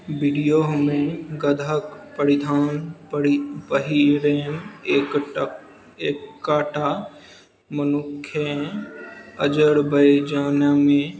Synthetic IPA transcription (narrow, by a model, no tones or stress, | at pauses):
bɪɖijoːɦmẽɡəd̪ʱəkpəɾɪd̪ʱaːn | pəɦiɾeːne | eːkːaːʈa | mənʊkʰːje | əd͡ʒəɽbəjd͡ʒaːnjamẽ